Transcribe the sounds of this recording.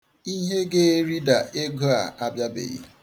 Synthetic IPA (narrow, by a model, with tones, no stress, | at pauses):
i˦ɦe˦ɡe˦ɾi˦da˨e˦ɡo˦a˨a˦bja˦bḛ˨ɣḭ˦